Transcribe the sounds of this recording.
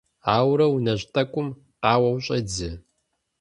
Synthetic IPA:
aːwɾɐwnɐʑtʰʼɐkʷʼʊm | qɑːwɐwɕʼɐd͡zɨ

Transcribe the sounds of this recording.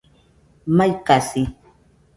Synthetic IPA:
majkasi

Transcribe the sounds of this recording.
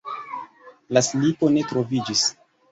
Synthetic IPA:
laslipo̞ne̞tɾo̞vid͡ʒis

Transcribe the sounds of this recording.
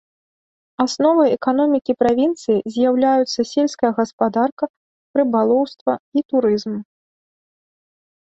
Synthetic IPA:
asnɔvɨɛkanɔmʲikʲipɾavʲint̪sɨjizʲjawlʲajut̪sːɐsʲelʲskɐjɐɣɐspad̪arkɐ | pɾɨbalˠɔwst̪vɐit̪uɾɨzm

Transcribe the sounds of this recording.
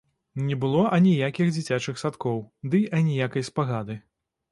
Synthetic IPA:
nʲɛbɨlˠɔʔɐnʲijakʲixd͡zʲit͡sʲat͡ʂɨxsat̪kɔwd̪ɨʔɐnʲijakɐjspaɣad̪ɨ

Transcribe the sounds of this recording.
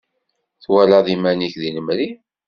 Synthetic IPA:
θwælaðˤimæniçðinəmɾi

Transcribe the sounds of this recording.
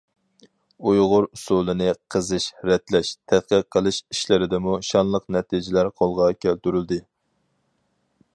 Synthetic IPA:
ujʁʊɾusulˠɨnɨqʰəzɨʃɾɛt̪lɛʃt̪ʰɛt̪̚qəqʰːəlˠɨʃiʃlɪɾɪd̪ɛmuʃɑnlˠəqnɛt̪ʰid͡ʒɪlæɾqʰolˠʁɑkʲʰɛlt̪yɾyld̪ɪ

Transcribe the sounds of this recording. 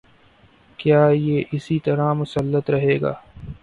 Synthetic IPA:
kjaːjeːʔɪsit̪ɐɾamʊsəlːət̪ɾɐɦeːɡa̰ː

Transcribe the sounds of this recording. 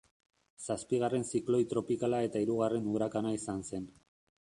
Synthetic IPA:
saspiɣ̞are̞nsiklo̞jt̪ɾo̞pikalae̞t̪aiɾuɣare̞nuɾakanaisanse̞n

